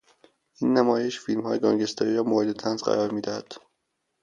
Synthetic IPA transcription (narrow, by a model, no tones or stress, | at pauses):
ʔiːnːæmɒːjeʃfilmhɒːjeɡɒːŋɟest̪ʰɒɾiːɾɒːmoed̪et̪ʰænzɢæ̰ɾɒːɾmiːd̪æhæd̪̥